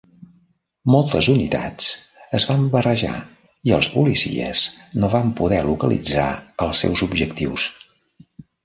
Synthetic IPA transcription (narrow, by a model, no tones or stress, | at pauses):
mɔlˠt̪əzunit̪a̰t͡səzβambərəʒa̰ | iəlˠspulisḭəznoβampuðɛlukəlḭd͡zaəlˠsɛ̰wzubʒəkt̪iws